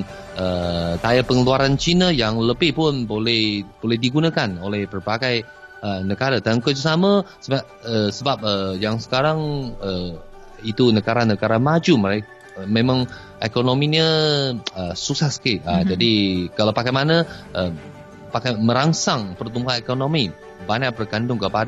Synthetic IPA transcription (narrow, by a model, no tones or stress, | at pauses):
ət̪ajapəŋəluaɾant͡ʃinəjaŋləbɪhpʊnbolɛhbolɛhdiɡunəkanolɛhpərpakaj | ənəɡaɾat̪aŋkʊd͡ʒ̬usaməsəa | əsəbap̚əjaŋsə̥kaɾaŋə | it̪unəɡaɾanəɡaɾamad͡ʒuməɾek | mẽmãŋ | ʔekonominə | əsusahsə̥kɪt̪̚ad͡ʒadikalawpakajmanəʔəm | pakajmə̃ɾaŋsaŋpərt̪umbuɦanekonomi | baɲaʔpərɡandʊŋkəpada